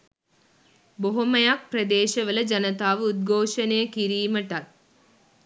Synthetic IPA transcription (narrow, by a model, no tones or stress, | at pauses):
boɦomɐjak̚pɾɐd̪eːʃɐʋələd͡ʒɐnət̪aːʋəud̪̚ɡʱoːʃɐneːəkiɾiːməʈat̪̚